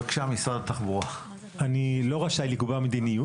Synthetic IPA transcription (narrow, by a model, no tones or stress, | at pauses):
kʃamisʁadat̪aχbuʁa | anilo̞ʁaʃajlikubamed̪iniju